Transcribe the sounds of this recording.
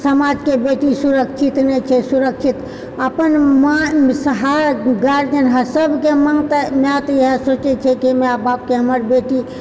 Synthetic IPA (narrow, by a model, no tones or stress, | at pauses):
səmad͡ʒkebeʈisuɾəkt͡ʃʰit̪nɛt͡ʃʰɛsuɾək̚t͡ʃʰit̪ | əpənmasəɦaɡaɾd̪ənɦəsəbʱkeməŋɡt̪əmat̪jeɦesot͡ʃɛt͡ʃʰɛkimeabap̚keɦəməɾbeʈi